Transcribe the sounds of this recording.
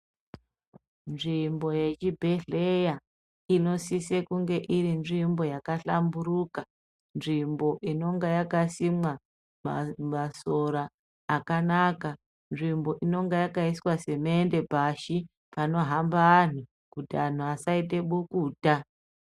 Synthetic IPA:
nʐimbo̞je̞t͡ʃibʱeɮe̞ja | ino̞sisekuŋɡe̞ʔiɾinʐimbo̞jakaɬamburuka | nʐimbo̞ʔino̞ŋɡejakasimwa | ma̰maso̞ɾaː | kanaka | nʐimbo̞ʔino̞ŋɡejakaiswase̞mende̞bʱaʃi | pano̞ɦambaːn̤u | kutian̤uasait̬e̞ɓukuːta

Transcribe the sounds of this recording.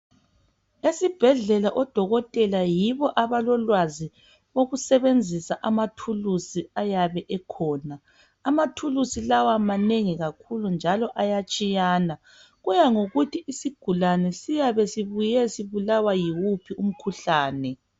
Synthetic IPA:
esib̥ʱɛɮɛlaʔɔd̥ʱɔɣɔtʼɛlajiβɔʔaβalɔlwazi | woɣusɛβend͡zʱisaʔamatʰulusiajaβɛʔɛkʰɔːnaː | matʰulusilawamaneŋiɣakʰulund͡ʒʱalɔʔajat͡ʃʼijaːna | ɣujaŋoɣutʰiisiɡ̥ʱulanɛsijaβɛsiβujɛsiβulawajiwupʰium̩kʰuɬaːnɛ

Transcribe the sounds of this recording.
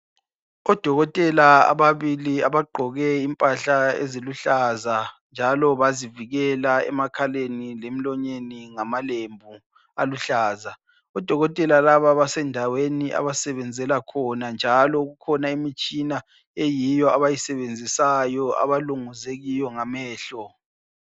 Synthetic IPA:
ɔd̥ʱɔɣɔtʼɛlaa̰βaβiliaβaɡ͡ǃʱɔɣɛimpʼaɬaḛziluɬazand͡ʒʱalɔβaziviɣɛlaɛ̰makʰalenilem̩lɔɲeniŋamalembʱu | aluɬaːza | ɔd̥ʱɔɣɔtʼɛlalaβaβasɛndʱaweniʔa̰βasɛβɛnd͡zʱɛlakʰɔnand͡ʒʱalɔɣukʰɔnaimit͡ʃʼina | ejijɔaβajisɛβend͡zʱisajɔa̰βaluŋuzeɣijɔŋamɛːɬɔ

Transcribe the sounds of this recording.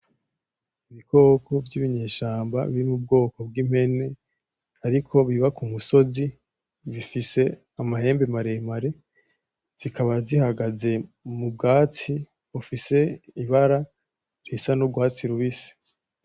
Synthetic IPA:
iβiko̞ːkʰo̞vjiβiɲe̞ːʃaːmba̰βiɾimub̚ɡo̞ːko̞bɡiːm̥he̞ne̞ | aɾikʰo̞βiβakumuso̞zi | βifise̞ | amahe̞ːmbemaɾemaɾe̞ | z̥ikaβazihaɡaze̞mubɡaːt͡si | βufise̞iβaɾa | ɾisanobɡwaːt͡siɾuβisi̥

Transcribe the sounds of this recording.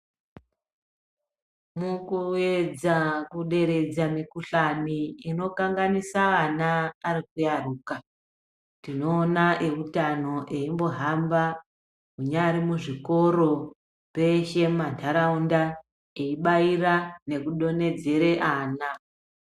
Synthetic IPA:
mukue̞d͡zakuɗe̞ɾe̞d͡zamikuɬaniːno̞kaŋɡanisaanaːɾikujaruːka | tino̞ːnaʔe̞utano̞ʔeimbo̞ɦamba | kuɲaɾimuʐiko̞ɾo̞ | pe̞ʃe̞mantʰaɾaunda | eiɓairane̞kuɗo̞ne̞d͡ze̞ɾe̞ʔaːna

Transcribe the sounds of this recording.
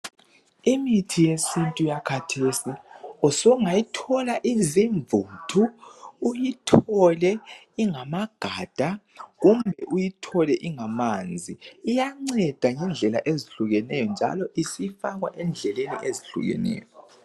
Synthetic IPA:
imitʰijesintʼujakʰatʰesiɔsɔŋajitʰɔlaʔiziɱvutʰuː | jitʰɔlɛ | iŋamaɡ̥ʱaːd̥ʱaɣumbʱɛʔujitʰɔlɛʔiŋamand͡zʱiːjaŋ͡ǀɛd̥ʱaŋɛnd͡ɮʱɛla̰ʔeziɬuɣɛnɛjɔnd͡ʒʱa̰lɔʔisifaɣwa̰ʔɛnd͡ɮʱɛlenḭʔeziɬṵɣɛ̰nɛ̰ːjɔ

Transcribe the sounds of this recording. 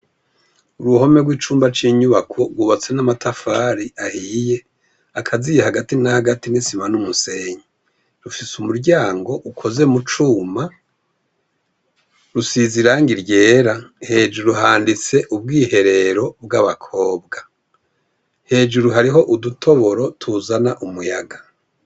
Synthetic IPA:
uɾuho̞me̞ɡwiːt͡ʃuːmbat͡ʃiːɲuβakʰo̞ɾɡwuβat͡se̞namatʰafaːɾiʔahiːje̞ | akʰazijehaɡatinahaɡatinisimanumuse̞ɲi | ɾufisumuɾɟaːŋɡo̞ʔukʰo̞ze̞mut͡ʃuːma | ɾusiziɾaːŋɡiɾɟe̞ːɾahe̞ːʒuɾuɦaːndit͡se̞ʔub̚ɡiːhe̞ɾe̞ɾo̞bɡaβakʰo̞ːbɡa | he̞ːd͡ʒuɾuɦaɾiɦo̞ʔudutʰo̞βo̞ɾo̞tʰuzanaʔumujaɡa

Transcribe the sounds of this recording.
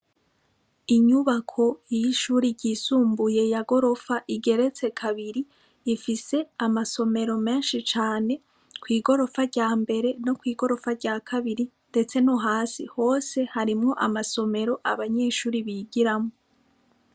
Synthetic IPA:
iɲuβakʰo̞jiːʃuːɾiɟɟiːsuːmbuje̞jaɡo̞ɾo̞faʔiɡe̞ɾe̞t͡se̞kʰaβiɾiː | fise̞amaso̞me̞ɾo̞me̞ːnʃit͡ʃaːne̞ | kwiːɡo̞ɾo̞faɾɟaːmbe̞ɾe̞no̞kwiːɡo̞ɾo̞faɾɟaːkʰaβiɾinde̞t͡se̞noɦaːsiho̞ːse̞haɾimŋo̞ʔamaso̞me̞ɾo̞ʔa̰βaɲe̞ːʃuːɾiβiːɡiɾamŋo

